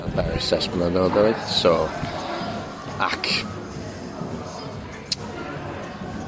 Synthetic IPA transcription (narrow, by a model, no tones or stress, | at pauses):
abɛɾɪsɛsb̥nəðɔðɔɨðsɔ | a̰kʰ